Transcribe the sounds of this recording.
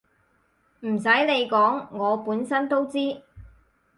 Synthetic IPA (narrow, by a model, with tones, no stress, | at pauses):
m̩˨˩sɐ˨˥jle˨˧jkɔː˨˥ŋːɔː˨˧puː˨˥nsɐ˥nt̪o˥wt͡siː˥